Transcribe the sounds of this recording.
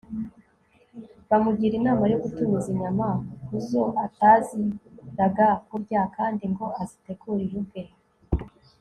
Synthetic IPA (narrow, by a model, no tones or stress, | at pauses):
βamuɟiɾinaːmajoɡutumiziɲamakuzo̞ʔataziɾaɡakuɾɟakaːndiŋɡo̞ʔazite̞kuɾiɾubɡe